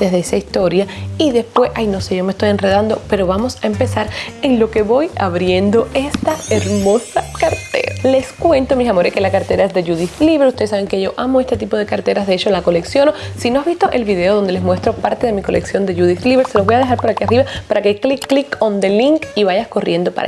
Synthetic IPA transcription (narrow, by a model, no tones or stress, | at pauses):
d̪e̞zðeesaist̪o̞ɾjaiðe̞spwe̞sʔajno̞seʝo̞mest̪o̞je̞nreð̞and̪o̞pe̞ɾo̞βamosaempe̞saɾe̞ŋlo̞ke̞βo̞jaβɾje̞nd̪o̞e̞st̪aeɾmo̞sakaɾt̪ḛɾale̞skwe̞nt̪omisamo̞ɾeske̞lakaɾt̪e̞ɾae̞zðe̞ʝuðifliβeɾust̪esaβe̞ŋke̞ʝo̞ʔamo̞e̞st̪e̞t̪ipo̞ð̞ekaɾt̪e̞ɾazðe̞et͡ʃo̞lako̞leksjo̞no̞sino̞aβist̪o̞ʔe̞lβiðe̞oðo̞nd̪e̞lemwe̞st̪ɾo̞paɾt̪e̞ðe̞miko̞le̞ksjo̞nd̪e̞ʝuðifliβeɾseloβo̞jaðeɦaɾpo̞ɾakiariβapaɾakeklikːlikond̪eliŋkiβajasko̞rjend̪o̞pa̰a